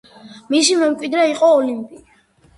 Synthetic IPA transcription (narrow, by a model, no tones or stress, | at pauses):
misimɛmkʼwid̪ɾɛiqʼɔːlimpʼi